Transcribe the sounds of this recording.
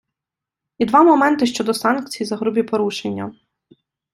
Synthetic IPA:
id̪ʋɑmɔmɛnt̪ɪʃt͡ʃɔd̪ɔsɑnk̚t͡sʲijizɐɦɾʊbʲipɔɾuʃenʲːɐ

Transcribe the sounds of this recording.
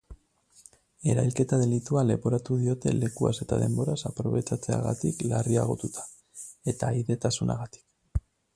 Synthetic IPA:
e̞ɾajlke̞t̪að̞e̞lit̪uale̞βo̞ɾat̪uð̞io̞t̪e̞̰le̞kua̰se̞t̪að̞e̞mbo̞ɾasapɾo̞β̞e̞t͡ʃat͡se̞a̰ɣa̰t̪iklariaɣ̞o̞t̪ut̪ḁ | e̞t̪ajðe̞t̪asuna̰ɣat̪i̥k

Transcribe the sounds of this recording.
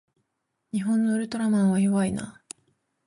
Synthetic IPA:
ɲ̟iɦõ̞nːoɯɾɯ̟t̪o̞ɾamãɰ̃β̞ajoβaina̰

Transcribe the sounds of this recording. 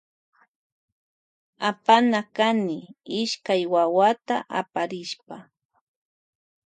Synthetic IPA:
apanakanɪɪʃkajwawat̪aʔa̰paɾɪʃpa

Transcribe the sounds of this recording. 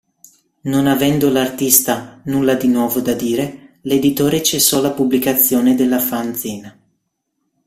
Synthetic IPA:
nonavɛnd̪olart̪ist̪anulːad̪inwɔːvod̪ad̪iːɾeled̪it̪oːɾet͡ʃesːɔlapublikat̪sːjoːned̪elːafanziːna

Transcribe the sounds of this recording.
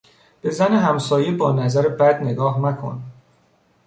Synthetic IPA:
b̥e̞zæneɦæmsɒːjebɒːnæzæɾebæd̪ne̞ɡɒːhnækʰo̞̰n

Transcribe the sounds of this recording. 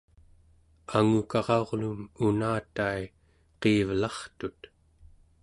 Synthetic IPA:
aŋukɑʁɑoʁlununaːt̪ai | qeːvlɑχt̪ut̪

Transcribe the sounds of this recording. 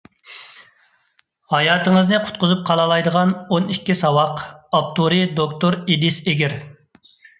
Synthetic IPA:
hɑjɑːt̪əŋəznɨqʰʊ̥t̪̚qʊzup̚qʰɑlˠɑlˠɑjd̪əʁɑnonikʲːisɑwɑqɑp̚t̪uɾid̪okt̪oɾid̪ɪseɡʲɪɾ

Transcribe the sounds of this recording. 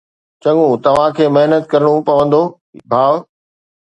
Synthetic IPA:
t͡ɕɐ̃ŋũt̪ɐʋ̤ãkʰeːmɐɦnət̪̚kɐɾəɽ̃upɐʋə̃nd̪oː | bʱaːʋ

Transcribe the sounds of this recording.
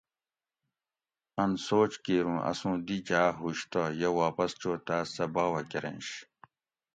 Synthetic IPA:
ɐnsoːt͡ɕkeːɾũːʔɐ̰sũːd̪id͡ʑaːɦuɕt̪ɐjewaːpɐst͡ɕoːt̪aːsɐbaːwɐkeɾḛ̃nɕ

